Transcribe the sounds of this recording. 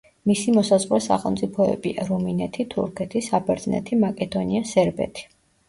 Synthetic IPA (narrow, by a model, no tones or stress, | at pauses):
misimɔsazʁɾɛsa̰χɛlˠmt̪sʼipʰɔɛ̰biaɾuminɛt̪ʰit̪ʰṵɾkʰɛt̪ʰisabɛɾt̪nɛ̰t̪ʰimakʼɛd̪ɔniasɛɾbɛ̰t̪ʰi̥